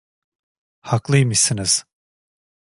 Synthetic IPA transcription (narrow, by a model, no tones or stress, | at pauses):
haklˠɯjmɯsɯniz̥